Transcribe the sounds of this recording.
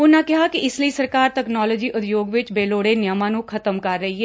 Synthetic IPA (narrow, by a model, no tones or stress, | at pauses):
ʊnãkɪɦakiʔɪsləisɐɾkaːɾt̪ɛknɔːloːd͡ʒiːʔʊt̪joːɡʋɪt͡ʃbeːloːɽenjəmãnũkʰɐt̪əmkɐɾːəɦiɦɛː